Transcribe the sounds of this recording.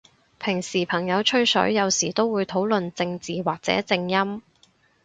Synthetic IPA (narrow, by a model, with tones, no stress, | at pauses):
pʰɪ˨˩ŋsiː˨˩pʰɐ˨˩ŋjɐ˨˧wt͡ʃʰɵ˧ɥsɵ̰˨˥ɥjɐ˨˧wsiː˨˩t̪o˥wwuː˨˧jt̪ʰo˨˥wlɵ˨nt͡sɪ˧ŋt͡siː˨waː˨k̚t͡sɛ̰ː˨˥t͡sɪ˧ŋjɐ˥m